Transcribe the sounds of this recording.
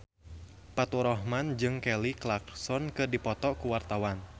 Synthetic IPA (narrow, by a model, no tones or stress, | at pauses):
pat̪uɾɔhmand͡ʒɨŋkɛliklaksɔnkɨdipɔt̪ɔkuwart̪awan